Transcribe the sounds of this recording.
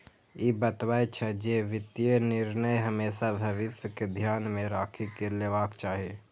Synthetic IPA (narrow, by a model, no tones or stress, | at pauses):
ebət̪waet͡ʃʰɛd͡ʒeʋɪt̪jenɪɾnəjɦəmeːsabʱəʋɪsjəked̪ʱjaːnmẽɾaːkʰikeleːʋaːkt͡ʃaːɦie